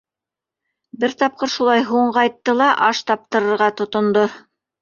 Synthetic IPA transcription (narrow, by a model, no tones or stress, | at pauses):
bɘɾt̪ɑp̚qɤɾʃulˠɑjɦuɴqɑjt̪ːɤlˠɑʔɑʃt̪ɑp̚t̪ɤ̆ɾɤ̆ɾʁɑt̪ŏt̪ŏnd̪o